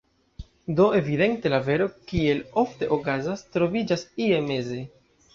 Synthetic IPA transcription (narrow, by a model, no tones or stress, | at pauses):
do̞e̞vide̞ntelave̞ɾo̞kie̞lo̞fte̞ʔokazastɾo̞vid͡ʒasie̞me̞ze̞